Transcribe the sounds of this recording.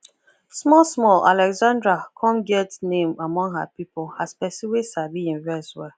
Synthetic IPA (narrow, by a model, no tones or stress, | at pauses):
smɔlsmɔla̰lɛɡzãndɹakʰɔ̃mɡɪldsnẽmamɔ̃ŋɦa̰pipolhaspɛsiwesabiĩnvɛswɛ